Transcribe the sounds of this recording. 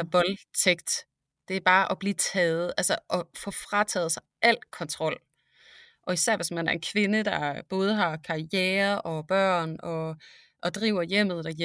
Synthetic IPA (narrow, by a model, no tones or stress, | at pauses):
ʋɒ̽lt͡sʰeɡ̥d̥ | d̥e̝æɐb̥ɑ̈ːʔɒ̽b̥liːt͡sʰɛːð̩ˠʔælsəʔɒ̽fɔ̽fʁɑt͡sʰɛ̰ːð̞̩ˠsɑ̈ɪʔæl̰kʰɒ̽nt͡sʰʁɒ̽l̰ | ʔɒ̽isæɐ̰ʋe̝smænæɐe̝nkʰʋe̝nəd̥ɑ̈b̥ɔ̽ːð̞ˠəɦɑ̈kʰɑ̈ieːɐʔɒ̽b̥ɶɐ̰nɒ̽ | ʔɒ̽d̥ʁiʊ̰ɐjem̰ð̩ˠd̥ɑ